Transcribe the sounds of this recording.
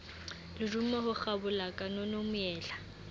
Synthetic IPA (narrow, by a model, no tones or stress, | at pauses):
lɪrummɛhʊk͡xabʊlakʼanonomʊjɛːla